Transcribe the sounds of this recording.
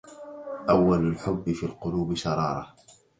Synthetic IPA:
ʔawːalalħʊbːɪfiːlqʊluːbɪʃɑɾˤɑ̰ːɾˤɑ̰

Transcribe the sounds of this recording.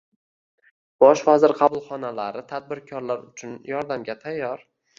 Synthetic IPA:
b̥ɒʃvazɪɾqʰɑbʊlˠχɒnalaɾɪt̪ʰad̪̚bɪɾkʲʰɒɾlaɾʊt͡ʃʰʊnjɒɾd̪amɡʲat̪ʰajːɒɾ

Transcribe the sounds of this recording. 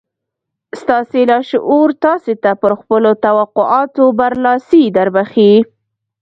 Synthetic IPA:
st̪ɑselɑʃʔuɾt̪ɑset̪apəɾxpəlot̪awaqʊʔɑt̪obaɾlɑsid̪aɾbaxi

